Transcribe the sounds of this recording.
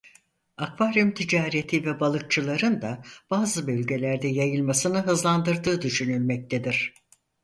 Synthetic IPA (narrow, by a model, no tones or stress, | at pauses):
akvaɾymt̪ʰid͡ʒaːɾet̪ʰivɛbalˠɯk̚t͡ʃʰɯlˠaɾɯnd̪ab̥aːzɯbølʲɟe̞lʲæɾd̪ɛjajɯlˠmasɯnɯɦɯzlˠand̪ɯɾd̪ɯːd̪yʃynylʲmɛc̚t̪ʰed̪iɾ̥